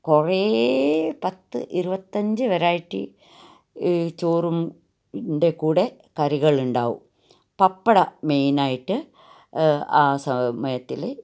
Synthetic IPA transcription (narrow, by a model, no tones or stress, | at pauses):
kore | pɐt̪ːɨ̰ʔiɾubɐt̪ːɐɲd͡ʑɨʋɐɾaːjiʈːḭ | t͡ɕoːrum | nɖe̞kuːɽe̞ | kɐɾiɣɐɭuɳɖa̰ːʋṵm | pɐpːɐɽɐme̞jnaːjiʈːɨ | aːsɐmɐjɐt̪ːile